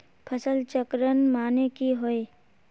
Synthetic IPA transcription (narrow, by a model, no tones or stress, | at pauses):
pʰəsəlt͡ʃəkɾənmaːnekiɦoe